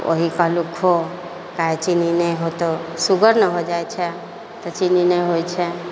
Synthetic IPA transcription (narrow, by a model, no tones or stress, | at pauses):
o̰ɦikəlukɦo | kaet͡ʃininəɦot̪osuɡəɾnəɦod͡ʒajt͡ʃʰe | t̪ɔt͡ʃininəiɦojt͡ʃʰe